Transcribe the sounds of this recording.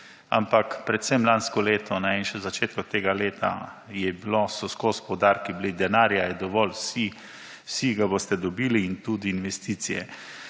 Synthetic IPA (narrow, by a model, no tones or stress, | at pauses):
a̰mpakpɾɛt̪sɛmlanskɔleːt̪ɔnɛinʃɛzat͡ʃeːt̪̚kɔt̪eːɡaleːt̪a̰jɛbilosɔskospɔwd̪aːɾkiblid̪ɛnaːɾjajɛd̪ɔʋɔlsi | siɡabost̪ɛd̪ɔbiːliːnt̪uːd̪iːnʋɛst̪iːt̪sijɛ̰